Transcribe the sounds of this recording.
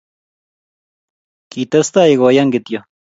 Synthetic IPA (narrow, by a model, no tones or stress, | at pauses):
kit̪ɐst̪aiɣojaŋɡɪt̪jo